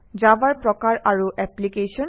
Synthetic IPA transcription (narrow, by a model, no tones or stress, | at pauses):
d͡ʑabaɹpɹɔkaɹaɹuʔɛplikesɔn